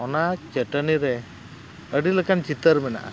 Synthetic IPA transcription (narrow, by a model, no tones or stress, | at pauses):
ɔnat͡ʃəʈəniɾɛ | əɖiləkant͡ʃit̪əɾmɛna̰ʔa̰